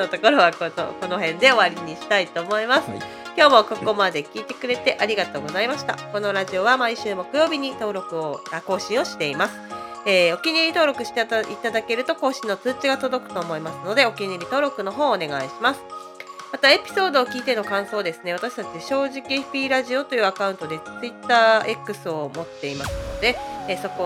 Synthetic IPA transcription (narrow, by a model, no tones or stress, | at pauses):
ot̪oko̞ɾo̞βakot̪o̰ko̞no̞ɦẽ̞nd̪e̞o̞βaɾʲiɲ̟iɕi̥t̪ait̪o̞ːmo̞imasɨ̥ | kʲo̞ːmo̞ko̞ko̞mad̪e̞kʲiːt̪e̞kɯ̟ɾe̞t̪e̞ʔaɾʲiɡat̪o̞ːɡo̞zaimaɕi̥t̪a̰ko̞no̞ɾaʑio̞βamaiɕɨːmo̞kɯ̟jo̞ːbʲiɲ̟it̪o̞ːɾo̞kɯ̟oako̞ːɕĩɰ̃o̞ɕi̥t̪e̞imasɨ̥ | eːo̞kʲiɲ̟iɾʲit̪o̞ːɾo̞kɯ̟ɕi̥t̪it̪ad̪ake̞ɾɯ̟t̪o̞ko̞ːɕĩnːo̞t͡sɨːt͡ɕiɡat̪o̞d̪o̞kɯ̟̥t̪o̞ːmo̞imasɨno̞d̪e̞o̞kʲiɲiɾʲit̪o̞ːɾo̞kɯ̟no̞ɦo̞ːne̞ɡa̰iɕimasɨ̥ | mat̪ae̞pʲi̥so̞ːd̪o̞ːkʲiːt̪e̞no̞kãɰ̃so̞ːd̪e̞sɨne̞βat̪aɕi̥t̪at͡ɕiɕo̞ːʑikʲieɸpʲiːɾaʑio̞t̪o̞jɯ̟ːakaɯ̟nt̪o̞d̪e̞t͡sɨit̪ːaːe̞kːɯ̟sɨo̞mo̞t̪ːe̞imasɨno̞d̪e̞so̞ko